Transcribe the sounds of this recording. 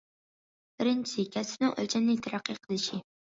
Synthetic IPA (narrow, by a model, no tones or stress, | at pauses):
b̥ɪɾɪnt͡ʃisʰɪkʲʰɛsɪ̥p̚nɪŋʔø̰lt͡ʃʰɛnːɪt̪ʰæɾæqʰːiqʰəlˠɪʃi